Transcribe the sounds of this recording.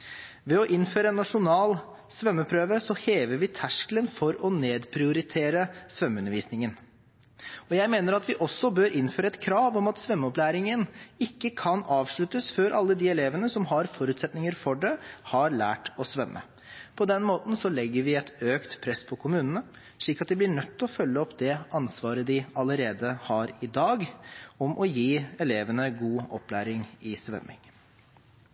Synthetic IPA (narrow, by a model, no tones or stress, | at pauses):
ʋɛɔʔɪnføːɾəɛːnːɑʂʊnɑːl | sʋœmːəpʰɾøːʋəsɔheːʋəɾʋɪt̪ʰæʂklənfɔɾɔneːd̪pʰɾɪʊɾɪt̪ʰeːɾəsʋœmːʉnːəɾʋiːsnɪŋən | ɔjæɪmeːnəɾɑt̪ʋɪʔɔsːɔbøːɾʔɪnføːɾəɛt̪kʰɾɑːʋɔmɑt̪sʋœmːəɔplæːɾɪŋənɪkːəkʰɑnɑːʋʂɭʉt̪əsføːɾʔɑlːəd̪iɛleːʋənəsɔmɦɑɾfɔɾʉːt̪sɛt̪nɪŋəɾfɔɖɛhɑɾɭæːʈɔsʋɛmːə̰ | pʰɔd̪ɛnmoːt̪n̩sɔlɛɡːəɾʋɪɛt̪øːkt̪pʰɾɛspʰɔkʰʊmʉːnənə | ʂɭiːkɑt̪̚d̪ɛɪblɪɳœt̪ːɔfœlːəɔpːd̪ɛʔɑnsʋɑːɾəd̪ɪɑləɾeːd̪əhɑɾɪd̪ɑːɡɔmʔɔjiːɛleːʋənəɡuːɔplæ̰ːɾɪŋɪsʋœ̰mːɪ̰ŋ